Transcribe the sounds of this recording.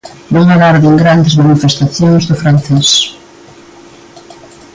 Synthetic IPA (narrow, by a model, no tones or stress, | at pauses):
bolaðaɾðeŋɡɾand̪ezmanifest̪aθjoŋzðʊfɾanθɛs